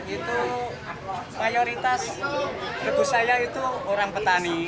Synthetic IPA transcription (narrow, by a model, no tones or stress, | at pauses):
it̪u | majoɾit̪as | rəbṳsajait̪uoɾaŋpət̪ani